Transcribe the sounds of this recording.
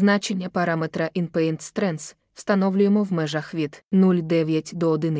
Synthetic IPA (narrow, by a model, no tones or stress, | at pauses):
znat͡ʃenʲːəpaɾamɛt̪ɾɐʔinpɛint̪st̪ɾɛns | st̪ɐnɔvlʲʊjɪmɔvmɛʐɐxvʲit̪nulʲd̪ɛvʲjatʲd̪ɔɔd̪ɨnɨ